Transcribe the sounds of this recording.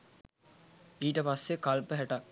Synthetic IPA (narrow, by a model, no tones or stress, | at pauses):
iːʈəpasːekalpəɦæʈa